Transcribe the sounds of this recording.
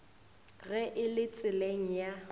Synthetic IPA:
ɣɛʔɪlɪt͡sʼɪleŋ̩ja

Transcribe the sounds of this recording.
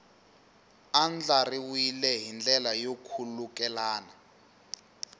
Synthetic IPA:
and͡ɮariwilɛɦind͡ɮʱɛlajokʰuluk̬ʼɛlaːna

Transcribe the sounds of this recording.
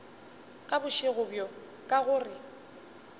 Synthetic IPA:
kʼabʊʃɪɣʊbjɔ | kʼaɣʊːrɪ

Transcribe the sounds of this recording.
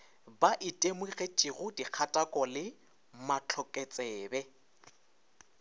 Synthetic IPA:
baʔɪtʼemwiɣɛt͡ʃʼɪɣʊdiq͡χʰatʼakʼɔlɪ | mat͡ɬʰɔkʼɛt͡sʼɛːbɛ

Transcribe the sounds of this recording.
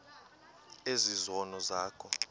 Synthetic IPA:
ezizɔnɔzaːkʰɔ

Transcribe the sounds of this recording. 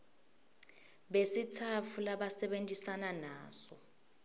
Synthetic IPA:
ɓesitʰafʰulaɓasɛɓentʼisananaːsɔ

